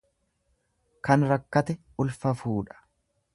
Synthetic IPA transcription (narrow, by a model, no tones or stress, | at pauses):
kɐnɾɐkːɐt̪ɛʔʊlfɐfuːᶑɐ̥